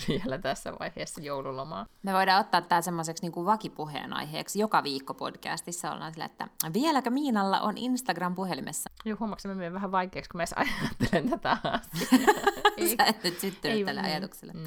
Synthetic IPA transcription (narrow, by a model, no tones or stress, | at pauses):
ʋiɛlæt̪æsːæ̰ʋɑ̰iheːsːɑjoululomɑːmeʋoidɑːot̪ːɑːt̪ːt̪æːsemːoseksniːŋkuʋʋɑkipuɦḛːnɑ̰jɦḛːksjokɑʋiːkːopo̞̰d̥kæ̰ːst̪isːæo̰lːɑ̰ːnsilːæ̰ḛt̪ːæ̰ʋielækømiːnɑlːɑ̰ʔoninst̪ɑɡrɑmpuhelimʔesːɑjoːhumɑksemæmeeʋʋæhæʋɑikeːkskumæsɑ̰jɑt̪ːelent̪æt̪æɑst̪i | seenːnyt̪syt̪ːynːyt̪ːælːḛʔɑ̰jɑt̪ukselːe